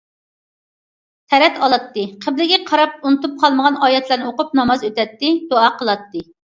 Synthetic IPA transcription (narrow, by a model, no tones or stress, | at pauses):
t̪ʰɛɾɛt̪ɑlˠɑt̪ːɨqʰəblɪɡʲɛqʰɑɾɑp̚unɨt̪up̚qʰɑlˠməʁɑnɑːjɛt̪ʰlæɾnɨoqʊp̚nɑmɑzøt̪ɛt̪ːɪd̪oɑqʰəlˠɑt̪ːɨ